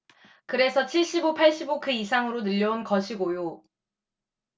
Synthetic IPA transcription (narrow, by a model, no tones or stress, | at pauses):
kɯɾe̞sʰʌt͡ɕʰiɭɕ͈ibopʰaɭɕ͈ibokɯisʰaŋɯɾonɯʎːʌunkʌɕʰiɡojo